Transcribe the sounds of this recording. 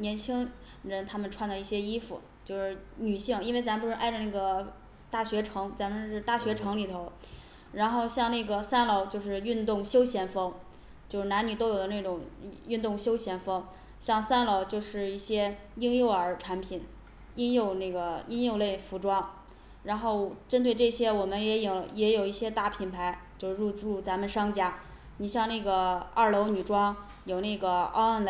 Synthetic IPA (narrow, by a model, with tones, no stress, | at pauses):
njɛ˧˥nt͡ɕʰi˥ŋ | ɻə˧˥nt̪ʰa˥mə˨nʈ͡ʂʰwa˥˩nlɑ˧˩˥i˥˩ɕjɛ˥i˥fṵ˨˩ | t͡ɕjo˥˧ʊʂɻ̩˥˩ny˨˩ɕi˥˩ŋi˥nwe˥˧ɪt͡sa˧˥mə˧pu˧ʂɻ̩˥˧ʔa˥˧ɪə˧na˥˩ɡə˩ | t̪a˥˩ɕɥɛ˧˥ʈ͡ʂʰɤ˧˥ŋt͡sa˧˥nmə˧ʂɻ̩˥˧t̪a˥˩ɕɥɛ˧˥ʈ͡ʂʰɤ˧˥ŋli˨˩t̪ʰo˧˥ʊ | ɻa˧˥nxo˥˧ʊɕjɑ˥˧ŋna˥˩ɡə˩sa˥nlɑ˧˩ʊt͡ɕjo˥˧ʊʂɻ̩˥˧y˥˧nt̪ʊ˥˩ŋɕjo˥ʊɕjɛ˧˥nfɤ˥ŋ | t͡ɕjo˥˧ʊʂ̩˥˩na˧˥ny˨˩o˥ʊjo˨˩ʊd̪ə˦n˥˩ʈ͡ʂʊ˨˩ŋy˥˧nt̪ʊ˥˩ŋɕjo˥ʊɕjɛ˧˥nfɤ˥ŋ | ɕjɑ˥˧ŋsa˥nlo˧˥˩ʊt͡ɕjo˥˧ʊʂɻ̩˥˧i˥˩ɕjɛ˥ | i˥ŋjo˥˧ʊə˞˧˥ʈ͡ʂʰa˧˥npʰi˨˩n | i˥ŋjo˥˧ʊne˥˩ɡə˩i˥ŋjo˥˧ʊle˥˩ɪfu˧˥ʈ͡ʂwɑ˥ŋ | ɻa˧˥nxo˥˩ʊʈ͡ʂə˥nt̪we˥˧ɪʈ͡ʂɤ˥˩ɕjɛ˥wɔ˨˩mə˦njɛ˧˥jʊjɛ˧˥jo˨˩ʊi˥˩ɕjɛ˥t̪a˥˩pʰi˨˩npʰa˧˥ɪt͡ɕjo˥˧ʊʂ̩˥˧ɻu˥˧ʈ͡ʂu˥˩t͡sa˧˥mə˧nʂɑ˥ŋt͡ɕja˥ | ni˨˩ɕjɑ˥˧ŋne˥˩ɡə˩ə˥˩lo˧˥ʊny˨˩ʈ͡ʂwɑ˥ŋ | jo˨˩ʊne˥˩ɡə˩ɑ̰˥ʊə˥˩nl